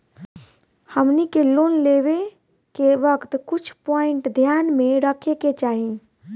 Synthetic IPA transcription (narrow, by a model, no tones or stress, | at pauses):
həmnikelonleβe | kebəkt̪kut͡ʃʰpɔiɳʈd̪ʱjanmeɾəkʰeket͡ʃaɦi